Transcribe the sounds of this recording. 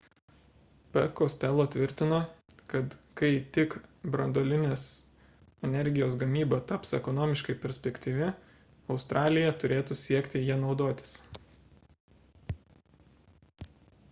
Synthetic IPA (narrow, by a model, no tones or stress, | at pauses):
pʲɛ̰kosʲt̪ʲɛlˠoːt̪ʲʋʲɪɾʲt̪ʲɪnoːkɐt̪kɐɪt̪ʲɪkbɾɐnd̪oːlʲɪnʲeːs | ɛnʲɛɾʲɡʲɪjoːs̬ɡɐmʲiːbɐt̪ɐpsɛ̰kɔnoːmʲɪʃkɐɪpʲɛɾʲsʲpʲɛkʲt̪ʲiːʋʲɪ | ɒʊst̪ɾʔɑːlʲɪjɛt̪ʊɾʲeːt̪usʲiɛkʲt̪ʲɪjiɛnɒʊd̪oːt̪ʲɪ̥s